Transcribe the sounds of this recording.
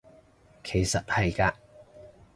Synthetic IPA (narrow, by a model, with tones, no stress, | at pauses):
kʰe˨˩jsɐ˨t̚hɐ˨jkaː˧